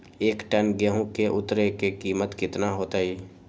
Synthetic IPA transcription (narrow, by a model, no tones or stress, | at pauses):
eːkʈɛnɡeɦõkeʔʊt̪ːɾekekiːmət̪kɪt̪naɦoːt̪aɦiː